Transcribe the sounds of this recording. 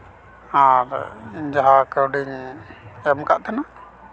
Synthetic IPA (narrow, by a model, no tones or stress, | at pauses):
aɾd͡ʒaɦakəwɖiɲ | ɛmkaʔt̪ʰana